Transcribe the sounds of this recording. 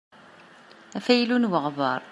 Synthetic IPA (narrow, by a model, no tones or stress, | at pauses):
æfæjlunwəʁvə̰ɾˤ